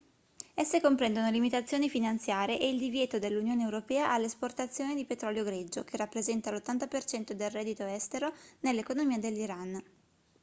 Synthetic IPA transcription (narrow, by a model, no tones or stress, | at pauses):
ɛsːekompɾɛnd̪onolimit̪at̪sːjoːnifinant̪sjaːɾeʔeild̪ivjɛːt̪od̪elːunjoːneːwɾopɛːaʔalːesport̪at̪sːjoːnid̪ipet̪ɾɔljoɡɾed͡ʒːok̟erːapːɾezɛnt̪alot̪ːant̪apert͡ʃɛnt̪od̪elrɛːd̪it̪oɛst̪eɾonelːekonomiːad̪elːiɾan